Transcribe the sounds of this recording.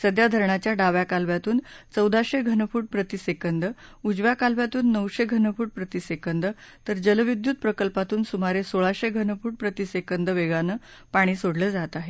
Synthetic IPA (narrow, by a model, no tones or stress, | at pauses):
səd̪ʱjad̪ʱəɾɳat͡ɕjaɖaʋjakalʋjat̪uːnt͡səwd̪ʱaɕeɡʱənəfuːʈ̚pɾət̪isekənd̪əud͡zʋjakalʋjat̪uːnːəwɕeɡʱənəfuːʈ̚pɾət̪isekənd̪ət̪əɾd͡ʑələʋid̪jud̪̚pɾəkəlpat̪uːnsumaɾesoɭaɕeɡʱənəfuːʈ̚pɾət̪isekənd̪əʋeɡanəː | paɽ̃iːsoɽləːd͡zat̪aɦe